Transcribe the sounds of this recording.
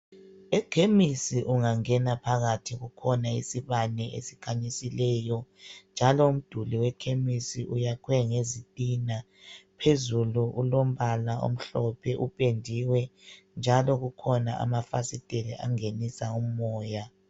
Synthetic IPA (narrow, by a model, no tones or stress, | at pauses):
ɛkʰemisiʔuŋaŋɛnapʰaɣatʰiɣukʰɔnaḭsiβanɛʔḛsi̥kʰaɲisilɛːjɔnd͡ʒʱalɔum̩d̥ʱuliwɛkʰemisiʔujakʰwɛŋezitʼina | pʰezuluʔulom̩βalao̰m̩ɬɔpʰɛʔupʼendʱiwɛ | nd͡ʒʱalɔɣukʰɔnaʔa̰mafa̰sid̥ʼʱeliʔa̰ŋenisaumɔːja